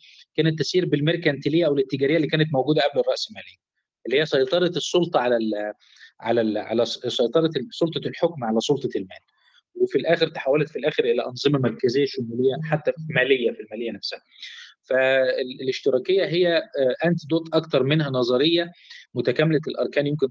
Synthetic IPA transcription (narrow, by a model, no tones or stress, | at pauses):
kæːnet̪ːæsiːɾbelmeɾkænt̪elejːæʔæwlet̪ːeɡæːɾejːælːiːkæːnæt̪mowɡuːd̪æʔæblerˤɑʔselmæːlejːæ | ʔelːihijːæsˤɑjt̪ˤɑɾˤɑt̪esˤːolt̪ˤɑʕalæl | ʕa̰lælʕa̰læsˤɑjt̪ˤɑɾˤɑsˤolt̪ˤɑlħokmʕalæsˤolt̪ˤɑlmæːl | wefilʔæːxeɾt̪e̥ħawːælet̪filʔæːxeɾʔelæʔɑnzˤemɑmæɾˤkæzejːæʃomæːlejːæħat̪ːæfimæːlejːæfilmæːlejænæfsæhæfæleʃt̪eɾˤɑːkejːæɦejːæʔænt̪id̪oːt̪ˤʔɑkt̪ɑɾˤmenhænɑzˤɑɾejːæmʊt̪ækæmelælʔɑ̰ɾˤkæːnjemken